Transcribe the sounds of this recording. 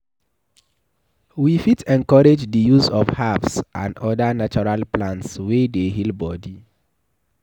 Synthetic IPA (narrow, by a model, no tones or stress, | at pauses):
wifitɛ̃ŋkɔɹed͡ʒdəjuzɔfhavsã̰ndɔdanat͡ʃɔɹalplãntswedeɦilbɔdi